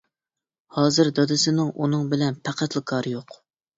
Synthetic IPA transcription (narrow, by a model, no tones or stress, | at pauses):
hɑːzɨɾd̪ɑd̪ɨsɪnɪŋʔunɨŋbɪlɛnpʰæqʰæt̪lˠɨkʰɑːɾɨjoq